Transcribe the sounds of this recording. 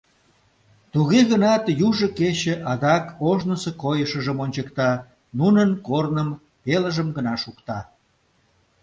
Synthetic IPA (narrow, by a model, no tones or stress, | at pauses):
t̪uɣeɣənɑt̪juʒəket͡ɕəʔɑd̪ɑkoʒnəsəkojəʃəʒəmonʲt͡ɕəkt̪ɑ | nunənkornəm | peləʒəmɡənɑʃukt̪ɑ